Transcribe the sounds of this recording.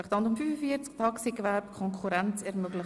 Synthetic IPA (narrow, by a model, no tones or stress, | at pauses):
ɪχd̥̪ɑndʊmfyːfəfiəɾt͡skt̪ʰɑksikvæɾpkʰɔŋkʰχuɾɛnt͡sɛɾmøɡlɪχ